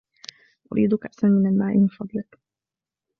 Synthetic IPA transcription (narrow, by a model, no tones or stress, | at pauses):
ʔʊ̰ɾʔḭːd̪ʊkaʔsanmɪnalmaːʔɪmfɑd̪ˤiː